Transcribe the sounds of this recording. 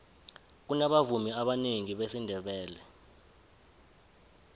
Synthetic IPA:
k̬unaɓavumiaɓaneŋiɓesindʱɛɓɛːlɛ

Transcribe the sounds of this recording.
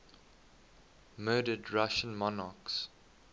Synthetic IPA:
mɜːdədɹaʃə̃nmɔnaks

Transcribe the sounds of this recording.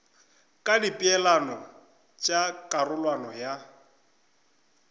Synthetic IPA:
kʼadipʼiɛlanɔ | t͡ʃʼakʼarʊlwanɔja

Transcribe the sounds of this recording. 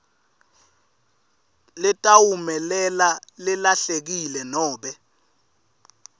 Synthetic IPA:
lɪtʼawumɛlɛlalɪlaɬek̬ilɛnɔːɓɛ

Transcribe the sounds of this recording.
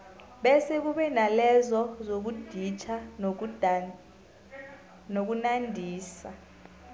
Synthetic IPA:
ɓɛsek̬uɓɛnalɛzɔzok̬ud̥ʱit͡ʃʰa | nok̬unandʱiːsa

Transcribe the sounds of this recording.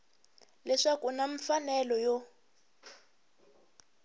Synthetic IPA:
lɛʂakunaɱfanɛlɔjɔ

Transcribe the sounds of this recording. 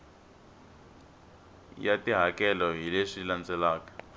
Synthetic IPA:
jatiɦakɛlɔɦileʂilant͡sɛlaːkḁ

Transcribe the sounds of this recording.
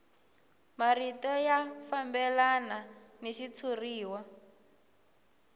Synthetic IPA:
maritɔjafambɛlananiʃit͡sʰuriːwa

